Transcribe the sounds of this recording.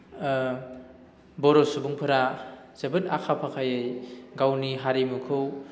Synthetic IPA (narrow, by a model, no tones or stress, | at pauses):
bɔɾɔsubuŋpʰɯɾa | zebɯnakʰapʰakʰajɯjɡawniɦaɾimukʰɯw